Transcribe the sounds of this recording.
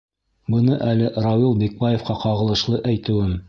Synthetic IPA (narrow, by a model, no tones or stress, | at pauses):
bɤ̆nɤʔælɘʔɾɑwilˠbek̚bɑjefqɑqɑʁɤ̆lˠɤ̆ʃlˠɤʔæjt̪ɘ̆wɘm